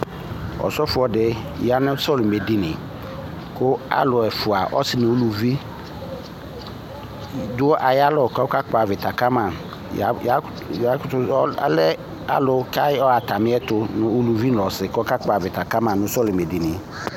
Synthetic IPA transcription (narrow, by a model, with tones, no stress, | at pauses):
ɔ̰˨sɔ˦fʊ˨˦ɔ˦dɪ˦ja˨˦nʊ̃˦sɔ˦lʊ˨me˨di˨nɪ̃˨ | kʊ˦a̰˦lʊ˨ɛ˨fʊ˨a˨ʔɔ̰˦sɪ˨nʊ̃˨o˦lu˨vi˦ | dʊ˦ɔ˦ʔa˨ja˦lɔ˨ka˦ɔ˦ka˦k͡pa˨vɪ˨ta˨ka˦mã˨ | ja˨ja˦ | ja˦tʊ˦lɛ˦ | a̰˦lʊ˨ka˦ɔ˦a˨ta˨mɪ̃˦ɛ˦tʊ˦nʊ̃˨o˦lu˨vi˦n˨lɔ˨sɪ˨kɔ˦ka˦k͡pa˨vɪ˨ta˨ka˦mã˨nʊ̃˦sɔ˦lʊ˨me˨di˨nɪ˨